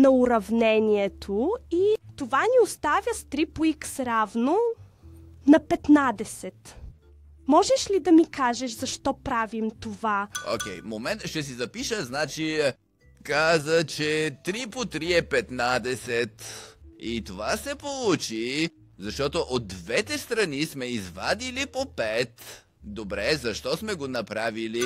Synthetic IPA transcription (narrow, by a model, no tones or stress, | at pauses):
nɐuɾɐvnɛnʲiɛt̪ʰoit̪ovaniost̪avʲəst̪ɾipoiksɾavno | nɐpɛt̪nad̪ɛsɛt̪ | mɔʒɛʃlid̪ɐmikaʒɛʃzɐʃt̪ɔpɾavimt̪ovao̰kʲɛjmomɛnt̪ʃt̪ɛsizɐpiʃəznat͡ʃi | kazət͡ʃɛt̪ɾipot̪ɾiɛpɛt̪nad̪ɛsɛt̪it̪ovasɛpolˠut͡ʃi | zɐʃt̪ɔt̪oʔod̪ːvɛt̪ɛst̪ɾɐnismɛizva̰d̪ilipopɛt̪ | d̪obɾɛzɐʃt̪ɔsmɛɡonɐpɾavili